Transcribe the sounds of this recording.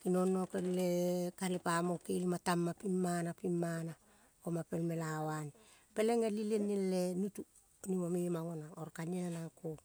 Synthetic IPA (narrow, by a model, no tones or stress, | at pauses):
kinonːokelːekalipamokelimatamːapimːanapimːana | komape̞lme̞lawani | peleŋelilenːelːenutu | nimomimaŋonaoɾkanianako